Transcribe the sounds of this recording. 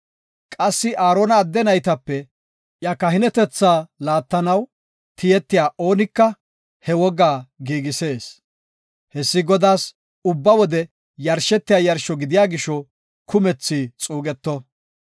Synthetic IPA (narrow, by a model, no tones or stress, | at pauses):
kʼɐsːɪʔaːɾoːnɐːd̪ːɛnɐjt̪ɐpːɛ | ʔjɐkɐɦɪnɛt̪ɛt͡sːaːlaːt̪ːɐnɐw | t̪ɪjɛt̪ːɪjaːʔo̞ːnɪkːɐ | hɛwɔɡaːɡiːɡɪse̞ːs | hɛsːɪɡɔd̪aːs | ʊbːɐwɔd̪ɛ | jɐɾʃɛt̪ːɪjaːjɐɾʃɔɡɪd̪ɪjaːɡɪʃːɔ | kʰʊmɛt͡sːɪt͡sʼuːɡʼɛt̪ːɔ